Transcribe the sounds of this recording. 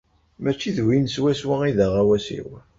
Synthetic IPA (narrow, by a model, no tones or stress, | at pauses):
mæt͡ʃːiðwinswæswaiðæʁawæsḭw